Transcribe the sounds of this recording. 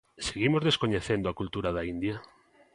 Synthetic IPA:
seɣimozðeskoɲeθend̪oakult̪uɾaðaind̪ja

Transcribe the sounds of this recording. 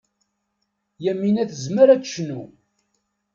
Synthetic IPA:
jæmːinæθəzməɾæd̪ʃnu

